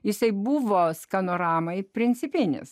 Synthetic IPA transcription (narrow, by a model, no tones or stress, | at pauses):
jɪsɐɪbuʋoːskɐnoːɾɑːmɐɪpʲɾʲɪnʲt͡s̪ʲɪpʲɪnʲɪ̰s